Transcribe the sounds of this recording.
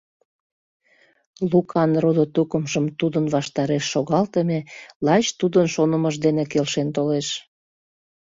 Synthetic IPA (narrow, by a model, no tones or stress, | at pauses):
lukɑnrod̪ot̪ukəmʒəmt̪ud̪ənβɑʃt̪ɑɾeʃːoɣɑlt̪əmelɑt͡ɕt̪ud̪ənʃonəməʒd̪enekelʃent̪oleʃ